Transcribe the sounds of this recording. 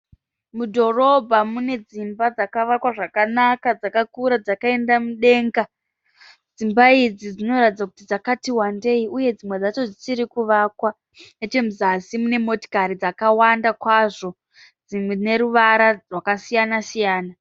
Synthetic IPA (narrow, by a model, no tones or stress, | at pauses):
mudʱo̞ro̞bʱamune̞d͡zimbad͡zakaʋakwaʐakanakad͡zakakuɾad͡zakae̞ndamuɗe̞ːŋɡa | d͡zimbaid͡zid͡zino̞ratid͡zaku̥tid͡zakatiwande̞iuje̞d͡zimwe̞d͡zat͡ʃo̞d͡zisiɾikuʋakwa | net͡ʃe̞muzasimune̞mo̞ti̥kaɾid͡zakawandakwaʐo̞ | d͡zimwene̞ɾuʋaɾarwakasijanasijaːna